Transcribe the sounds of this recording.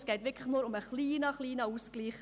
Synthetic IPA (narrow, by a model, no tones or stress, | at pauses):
sɡ̥ɛɪtʋɪkʰləχnuːɾʊməχliːnəχliːnəuːskliːχ